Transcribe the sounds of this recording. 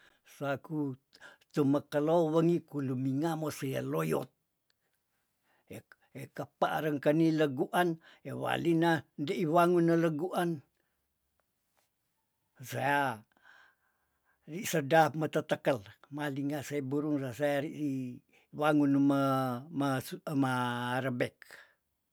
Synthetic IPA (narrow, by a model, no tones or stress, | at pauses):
sakut̪uməkəlowəŋikulumiŋamosəja̰lojo̰t̪̚ | e | ekəpaʔɾəŋkəniləɡuʔan | ewa̰linandəʔiwaŋunːaləɡuʔan | saja | risədamət̪ət̪əkəlmaliŋasaibuɾuŋsasajaɾii | waŋunmmamaɾəbek̚